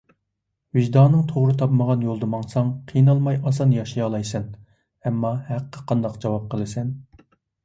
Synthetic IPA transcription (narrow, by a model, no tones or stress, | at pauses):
vɪʒd̪ɑnɨŋt̪ʰoʁɾɨt̪ʰɑpməʁɑnjolˠd̪ɨmɑŋsɑŋqʰijnɑlˠmɑjʔɑsɑnjɑʃɑjɑlˠɑjsɨn | ɛmːɑhæqːəqʰɑnd̪ɑqd͡ʒɑwɑp̚qʰəlˠɨsɛn